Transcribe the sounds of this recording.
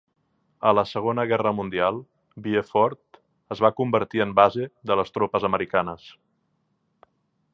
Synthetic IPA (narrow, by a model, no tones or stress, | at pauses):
ələsəɣ̞onəɣ̞ɛrəmund̪ialˠ | biefɔɾt̪ | əzβakumbəɾt̪iəmbazeðələst̪ɾopəzəməɾikanəs